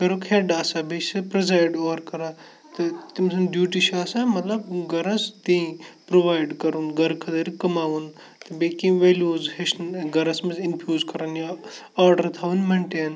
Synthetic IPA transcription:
ɡɐɾokʰheɖaːsɐbet͡ʃsɐpɾɐzaːjɖoːɐɾkɐɾa | t̪ɨt̪imsɐnɖjuːʈiʃaːsamɐt̪lɐb̚ɡɐɾɐst̪ĩpɾoʋaːjɖkɐɾunɡɐɾkʰɐd̪ɐɾikɐmaːʋun | t̪ɨbeːkĩʋeːluːzheʃnɡɐɾɐsmɐzinpʰjuːzkɐɾɐnja | aːɾɖɐɾt̪ʰaːʋunmɐɳʈeːn

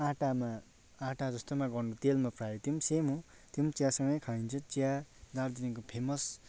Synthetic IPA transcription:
ãʈama | ãʈad͡zʌst̪omaɡʌrnut̪elmapʰrajot̪jimsemɦo | t̪imt͡sjasʌŋɡʌjkʰaint͡sʰʌt͡siad̪aɾd̪iniŋkopʰemʌs

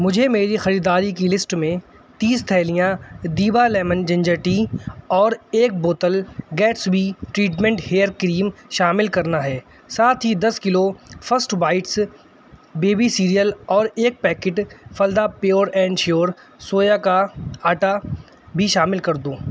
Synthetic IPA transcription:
mʊd͡ʒʱemeːɾixɐɾiːd̪aːɾikilɪsʈmẽ | t̪iːst̪ʰɛːlijãd̪iːbalɛːmənd͡ʒɐ̃ɲd͡ʒəɾʈiɔːɾeːk̚boːt̪əlɡɛːʈsbʱiʈɾiːʈmẽɳʈheːəɾkɾiːmʃaːmɪlkɐɾnaɦɛː | saːt̪ʰɦid̪ɐskɪlofʰəsʈbaːɪʈs | beːbisiːɾijəlɔːɾeːk̚pɛːkɪʈfɐld̪apjoːɾɛ̃ːɳɖʃoːɾ | soːjakaaːʈa | bʱiʃaːmɪlkɐɾd̪oː

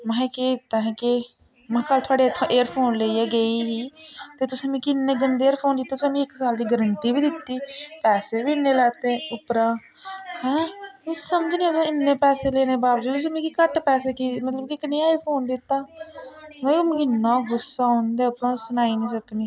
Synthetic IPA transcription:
mɛ̃ːkeːd̪ɪt̪ːaːɦɛ̃ːkɪ | mɛ̃ːkəlt̪ʰʊaːɖeːt̪ʰːʔeːəɾpʰoːnleiaːɡəiːɦiːt̪eːt̪ʊsẽːmĩːkɪnːẽːɡənd̪eːɾpʰoːnd̪ɪt̪ːaːt̪ʊsẽːmĩːɪksaːld̪iːɡəɾəɳʈiːbiːd̪ɪt̪ːiːpɛːseːbiːɪnːẽːlɛːt̪eːʊpɾaː | hɛ̃ːmĩsəmd͡ʒnĩːt̪sːɪnːẽːpɛːseːleːneːbaːbd͡ʒuːt̪ʊsẽːmẽːkikəʈpɛːseːkiːmət̪ləb̚kɪknĩːɪɾpʰoːnd̪ɪt̪ːaː | mɛ̃ːm̃ːɪnːãːɡʊsːaːɦõnd̪eːəpnãːsʊnaːinĩːsəkniː

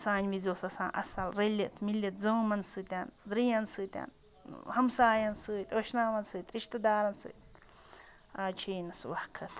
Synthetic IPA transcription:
saːnʲʋid͡zoːsɐsã̰ːnʔɐ̰sɐlɾɐlʲiʔt̪ʰmilʲːɐt̪zoːmɐnsɨt̪ʲand̪ɾijɐnsɨt̪ʲa̰n | hɐmsaːjɐnsɨːt̪ʲɐʃnaːʋɐnsɨːt̪ʲʼɾiʃt̪ɐd̪aːɾɐnsɨ̰ːt̪ʲ | aːt͡ʃʰiːnɐswɐħkʰɐt̪ʰ

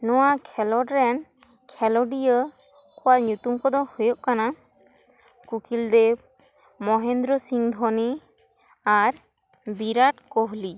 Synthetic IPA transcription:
nɔwakʰɛlɔɖɾɛn | kʰɛlɔɖijə | kɔwaʔɲut̪umkɔd̪ɔhɔjɔʔkana | kukild̪ɛ | mɔɦɛnd̪ɾɔsiŋd̪ʱɔni | aɾ | biɾaʈkɔɦli

